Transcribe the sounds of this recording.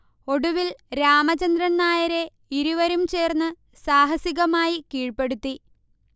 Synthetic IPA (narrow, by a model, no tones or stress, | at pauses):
o̞ɽuʋilɾaːmɐt͡ɕɐnd̪rɐnːaːjɐɾe̞ | iɾuʋɐɾumt͡ɕe̞ːrnːɨ | saːɦɐsiɣɐmaːjikiːɻpe̞ɽut̪ːi